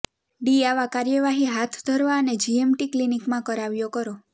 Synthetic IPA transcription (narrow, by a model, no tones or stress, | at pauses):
ɖiaʋakaɾjəʋaɦiɦat̪ʰd̪ʱəɾʋaəned͡ʒiemʈiklinikmãkəɾaʋjokəɾo